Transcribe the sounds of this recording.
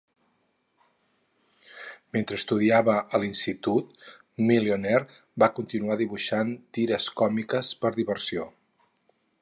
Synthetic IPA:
ment̪ɾəst̪uðiaβəʔəlinst̪it̪ut̪ | milionɛr | bakunt̪inuaðiβuʃant̪iɾəskɔmikəspəɾðiβəɾsio

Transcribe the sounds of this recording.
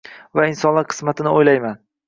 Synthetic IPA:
vaɪnsɒnlaɾqʰɨ̥smat̪ʰɪnɪojlajman

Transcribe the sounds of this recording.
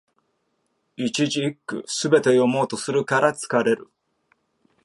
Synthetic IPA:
it͡ɕiʑiːkːɯ̟̰sɨbe̞t̪e̞jo̞mo̞ːt̪o̞sɨɾɯ̟kaɾat͡sɨ̥kaɾe̞ɾɯ̟

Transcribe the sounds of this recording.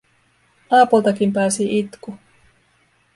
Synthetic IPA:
ɑːpult̪ɑkimpæːsiʔit̪ku

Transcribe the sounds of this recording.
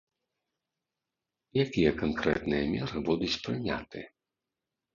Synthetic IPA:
jakʲijɛkankɾɛ̰t̪nɨjɐmʲɛɾɨbud̪ut͡sʲpɾɨnʲa̰t̪ɨ

